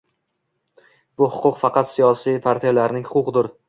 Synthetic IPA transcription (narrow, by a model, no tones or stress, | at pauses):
b̥ʊhʊqʰʊqfɑqɑt̪sijɒsijpʰaɾt̪ʰijalaɾnɪŋhʊʊqd̪ʊɾ